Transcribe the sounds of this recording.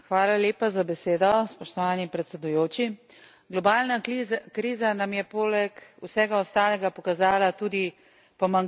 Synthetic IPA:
xʋaːlaljeːpazabɛseːd̪ɔspɔʃt̪ɔʋaːnipɾɛt̪sɛd̪ujoːt͡ʃi | ɡlɔbaːlnakɾiːzanamjɛpoːlɛkusɛːɡaɔst̪aːlɛɡapɔkazaːlat̪uːd̪i | pɔmaŋ

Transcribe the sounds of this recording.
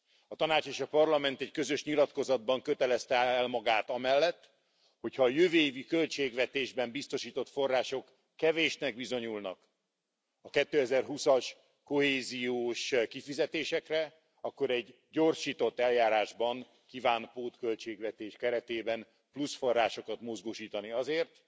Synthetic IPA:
ɒt̪ɒnaːt͡ʃeːʃɒpɒrlɒmɛnt̪ɛckø̞zø̞ʃɲilɒt̪ko̞zɒd̪̚bɒŋkøt̪ɛlɛst̪ɛɛlmɒɡaːt̪ɒmɛlːɛt̪ː | ho̞cʰhɒːjøveːvikø̞lt͡ʃeːɡvɛt̪eːʒbɛmbist̪o̞ʃiːt̪o̞t̪fo̞rːaːʃo̞kː | ɛveːʃnɛɡ̚bizo̞ɲulnɒk | ɒkɛt̪ːøːɛzɛrɦusɒʃ | ko̞ɦeːzijoːʃkifizɛt̪eːʃɛkrɛ | ɒkːo̞ɾɛɟːo̞rʃiːt̪o̞t̪ːɛljaːɾaːʒbɒŋ | kivaːnpoːt̪kø̞lt͡ʃeːɡvɛt̪eːʃkɛɾɛt̪eːbɛn | plusfo̞rːaːʃo̞kɒt̪mozɡoːʃiːt̪ɒniɒzeːrt̪

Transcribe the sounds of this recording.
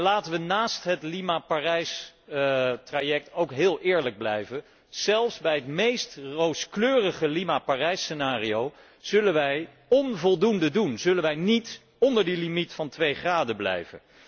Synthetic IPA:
laːtəʋənaːstɦətlimaparɛjs | trajɛk̚towkɦɪːlˠʔɪːɹləɡ̚blɛ̰jvən | z̥ɛlˠfszbɛjɦətmejstrowskløːrəχəlimaparɛjsənaːriow | z̥ɵlənʋɛj | ɔnvɔlˠdundədunzɵlənʋɛjnit | ɔndəɹdilimitfɑntʋejχraːdəblɛ̰jvə̰n

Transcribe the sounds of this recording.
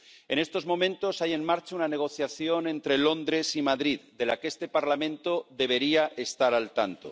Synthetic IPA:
e̞ne̞st̪o̞zmõ̞mẽnt̪o̞saje̞nmaɾt͡ʃaunane̞ɣ̞o̞θjaθjo̞nẽ̞nt̪ɾelo̞nd̪ɾe̞simaðɾiðd̪e̞la̰kest̪e̞paɾlamẽ̞nt̪o̞ðe̞β̞e̞ɾiaʔe̞st̪aɾalt̪ant̪o̰

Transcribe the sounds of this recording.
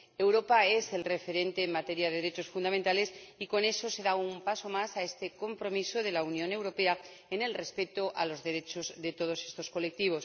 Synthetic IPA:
e̞wɾo̞pae̞se̞lre̞fe̞ɾe̞nt̪e̞ːmat̪e̞ɾjaðe̞ðeɾe̞t͡ʃo̞sfund̪ament̪ale̞siko̞ne̞so̞se̞ðaumpaso̞masae̞st̪e̞ko̞mpɾo̞miso̞ðe̞launjõ̞ne̞wɾo̞pe̞a | ene̞lre̞spe̞t̪oʔa̰lo̞zðe̞ɾe̞t͡ʃo̞zðe̞t̪o̞ð̞o̞se̞st̪o̞sko̞le̞k̚t̪iβ̞o̞s

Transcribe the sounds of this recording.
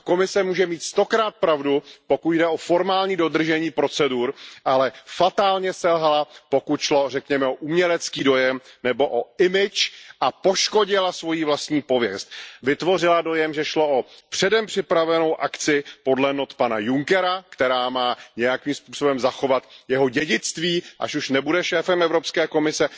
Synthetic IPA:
ko̞mɪsɛmuːʒɛmiːt̪st̪o̞kɾaːt̪̚pɾavdupo̞kutdɛo̞fo̞ɾmaːlɲiːdo̞d̪r̩ʒɛɲiːpɾo̞t͡sɛduɾʔalɛfat̪aːlɲɛsɛlɦalapo̞kut̪ʃlo̞rɛkɲɛmɛoʔumɲɛlɛt͡skiːdo̞jɛmnɛbo̞ʔoɪmɪt͡ʃʔapo̞ʃko̞ɟɪlasvo̞jiːvlast̪ɲiːpo̞vjɛst̪̚vɪt̪vo̞rɪlado̞jɛmʒɛʃlo̞ʔopr̝̥ɛdɛmpr̥ɪpɾavɛno̞wʔakt͡sɪpo̞dlɛnot̪panajuŋkɛɾakt̪ɛɾaːmaːɲɛjakiːmspuːso̞bɛmzaxo̞vat̪jɛɦo̞ɟɛɟɪt͡st̪viːʔa̰ʃuʃnɛbudɛʃɛːfɛmɛvɾo̞pskɛːko̞mɪsɛ

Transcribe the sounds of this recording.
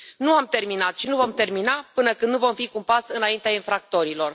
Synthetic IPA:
nuamt̪e̞rminat̪ʃinuvo̞mt̪e̞rminapɨnəkɨnd̪nuvo̞mfikumpasɨnaint̪eainfɾak̚t̪o̞ɾilo̞r

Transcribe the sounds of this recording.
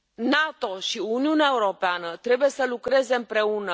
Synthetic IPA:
nat̪o̞ʃiuniuneae̞uɾo̞peanət̪ɾe̞buje̞səlukɾe̞ze̞ɨmpɾe̞unə

